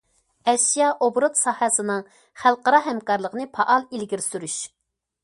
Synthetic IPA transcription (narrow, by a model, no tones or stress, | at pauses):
ɛʃijɑʔobɾut̪sɑhɛsɨnɨŋ | χælˠqəɾɑɦɛmkɑɾlˠəqənɨpʰɑʔɑlˠilɡʲiɾsyɾyʃ